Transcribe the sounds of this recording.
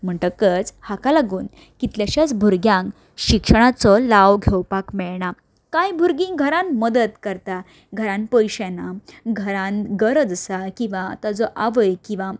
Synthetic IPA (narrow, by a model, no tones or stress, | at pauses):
m̤əɳʈ̪əkət͡shakalaɡuːn | kit̪ljaɕat͡sbʱuɾɡjãŋk | ɕikʂəɽ̃at͡sɔlaʋɡʱewpakmɛɭɳa | kajbʱuɾɡĩŋɡʱəɾãnməd̪ət̪kəɾt̪a | ɡʱəɾãnpəjɕanaɡʱəɾãnɡəɾəd͡zsakĩʋat̪ad͡zɔʔaʋəjkĩʋa